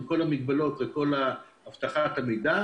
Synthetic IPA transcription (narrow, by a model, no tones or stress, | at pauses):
ko̞lamiɡ̚balo̞tveko̞la | aft̪aχatamejda